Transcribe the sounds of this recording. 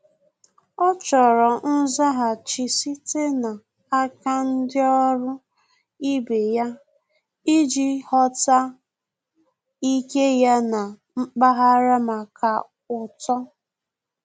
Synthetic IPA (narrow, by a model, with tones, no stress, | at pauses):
ɔ˦t͡ʃɔ˨ɾɔ˨n̩˦za˦ɦa˨t͡ʃi˨si˦te˦na˨ | a˦ka˦n̩˦dɪ˦ɔ˦ɾʊ˦ | i˦be˨ja˦ | i˦d͡ʒi˦hɔ˦ta˦ | i˦ke˦ja˦na˨ | m̩˦k͡pa˦ɦa˦ɾa˦ma˨ka˨ | ʊ˨tɔ˦